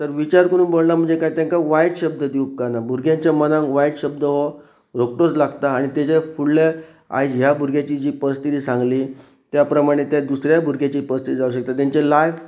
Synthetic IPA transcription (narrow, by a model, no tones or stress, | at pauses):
t̪əɾʋit͡ɕaɾkəɽ̃uːnbolnam̤əɳnd͡zekajt̪jãŋkaʋajɽɕəb̚d̪əd̪iup̚kanabʱuɾɡʱjãɲt͡ɕjamənãŋkʋajɽɕəb̚d̪əɦo | ɾok̚ʈot͡slaɡt̪aːɽ̃it̪at͡ɕefuɽlə | a̰jd͡ʑɦjabʱuɾɡʱjat͡ɕiːd͡ʑiːpəɾst̪ʰit̪iːsãŋɡliː | t̪japɾəmaɽ̃et̪jad̪usɾjabʱuɾɡʱjat͡ɕiːpəɾst̪ʰit̪iːd͡zauɕ̬ək̚t̪at̪̬jaɲt͡ɕelajf